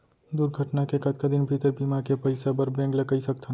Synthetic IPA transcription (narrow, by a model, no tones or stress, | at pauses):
d̪uːɾɡʱəʈnakekɐt̪kad̪ɪnbʱit̪əɾbiːmakepɐɪsabɐɾbɛ̃ːŋɡlɐɡaisɐk̚t̪ʰa